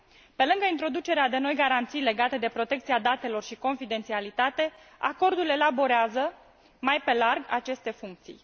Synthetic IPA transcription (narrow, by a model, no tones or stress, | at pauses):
pe̞lɨŋɡəint̪ɾo̞d̪ut͡ʃe̞ɾead̪e̞no̞jɡaɾant̪sijle̞ɡat̪e̞d̪e̞pɾo̞t̪e̞k̚t̪siad̪at̪e̞lo̞rʃiko̞nfid̪ent̪sialit̪at̪e̞ | a̰ko̞rd̪ule̞labo̞ɾeazə | majpe̞larɡa̰t͡ʃe̞st̪e̞fuŋk̚t̪sḭj